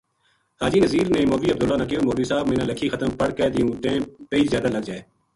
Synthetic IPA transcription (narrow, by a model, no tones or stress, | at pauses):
haːd͡ʒiːnəziːɾnẽːmoːʋiːəb̚d̪ʊlːaːnək̬eoːmoːʋiːsaːbmẽːnãːləkʰiːxət̪əmpəɽkɛːd̪ɪjũːʈẽːʈeiːzjaːd̪aːləɡ̚d͡ʒaːeː